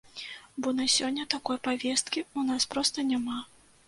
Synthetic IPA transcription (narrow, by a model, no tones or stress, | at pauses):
bɔnasʲɔnʲːɐt̪akɔjpavʲɛst̪̚kʲiunaspɾɔst̪ɐnʲama